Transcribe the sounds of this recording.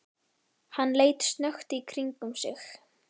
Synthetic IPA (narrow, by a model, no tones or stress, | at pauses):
hanːleːjt̪st̪nœxt̪ɪikʰɾiŋkʏmsɪx